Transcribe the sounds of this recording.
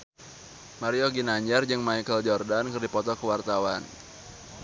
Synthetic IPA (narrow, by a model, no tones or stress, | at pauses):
maɾioɡinaɲd͡ʒard͡ʒɨŋmaikəld͡ʒɔrdankɨrdipɔt̪ɔkəwart̪awan